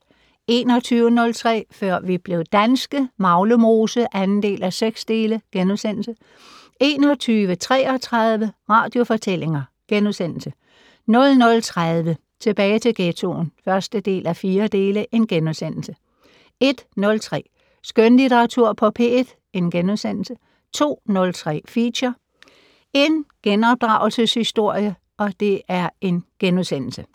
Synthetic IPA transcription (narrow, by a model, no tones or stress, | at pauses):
e̝̰ːnɒ̽t͡sʰyːʊənɔ̽lt͡sʰʁɛ̰ːfɶɐ̰ʋib̥le̝ʊd̥ænsɡ̥əmɑ̈ʊləmo̝ːsəʔænn̩d̥e̝̰ːlæseɡ̥sd̥e̝ːləɡ̥enuðˠsen̰l̩sə | e̝ːnɒt͡sʰyːʋət͡sʰʁɛːɒ̽t͡sʰʁɑðˠʋəʁɑ̈ːd̥jo̝fɒ̽t͡sʰele̝ŋɐ | ɡ̥enuðˠsen̰l̩sə | nɔ̽lnɔ̽lt͡sʰʁað̞ˠʋə | t͡sʰe̝b̥ɛːɪt͡sʰe̝ɡ̥et͡sʰo̝̰nfɶɐsd̥əd̥e̝̰ːlæfiːɐd̥e̝ːləʔe̝nɡ̥enuðˠsen̰l̩sə | e̝d̥nɔ̽lt͡sʰʁɛ̰ː | sɡ̥ønlit͡seʁɑt͡sʰuɐ̰pʰɒ̽pʰe̝d̥ | e̝nɡ̥enuðˠsen̰l̩sə | t͡sʰo̝̰ːnɔ̽lt͡sʰʁɛ̰ːfiɕɐ | e̝nɡ̥enɒ̽b̥̚d̥ʁɑ̈ʊl̩səshisd̥o̝ɐ̰jə | ɒ̽d̥e̝ʔæɐe̝nɡ̥enuðˠsen̰l̩sə